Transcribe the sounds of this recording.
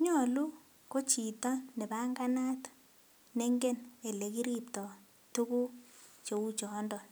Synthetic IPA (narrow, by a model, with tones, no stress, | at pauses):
ɲɔ˦˨lu˦ | ko˦t͡ʃi˨t̪ɔ˦nɛ˨ba˦ŋɡa˦na˦t | ne˦ŋɡe˦ne˨le˨ki˦ɾi˦p̚tɔ˨ | tu˦ku˦t͡ʃo˨u˦t͡ʃɔ˨ndɔ˨